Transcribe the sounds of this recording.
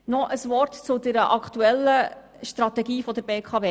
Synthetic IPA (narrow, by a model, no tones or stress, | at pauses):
nɔʔəsʋɔrtt͡sʊd̪ɛɾəʔɑkʰt̪uɛlːə | ʃt̪ɾɑt̪ɛɡiːfɔd̪əɾbeːkʰɑveː